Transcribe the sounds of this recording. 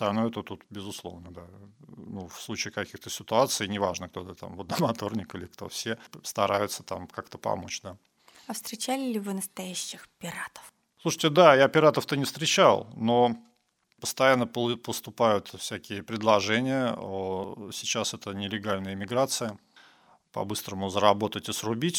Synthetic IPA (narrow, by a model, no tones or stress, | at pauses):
t̪ɐlʲnojət̪ət̪ut̪bʲɪzʊslˠo̞̰vnəd̪anufslˠut͡ɕɪːkɐkʲixt̪əsʲɪt̪ʊat̪sɨjnʲɪva̰ʐnək̚t̪ot̪ət̪a̰mvəd̪əmɐt̪o̞rnʲɪkɨlʲɪkt̪o̰fsʲest̪ɐɾajʊt̪sət̪a̰mkakt̪əpɐ̰mo̞̰t͡ɕd̪a | ɐfst̪ɾʲɪt͡ɕælʲɪlʲɪvɨnəst̪ɐjæɕːɪxpʲɪɾat̪ə̥f | slˠuʂə̥tʲɪd̪ajapʲɪɾat̪əft̪ənʲɪfst̪ɾʲɪt͡ɕalˠno̞ | pəst̪ɐjanːəppəst̪ʊpajʊt̪fsʲækʲɪjəpɾʲɪd̪lˠɐʐɛnʲɪjəosʲɪt͡ɕasɛt̪ənʲɪlʲɪɡalʲnəjəɪmʲɪɡɾat̪sɨjə | pɐ̰bɨst̪ɾəmʊzəɾɐbo̞t̪ətʲɨɪsrʊbʲitʲ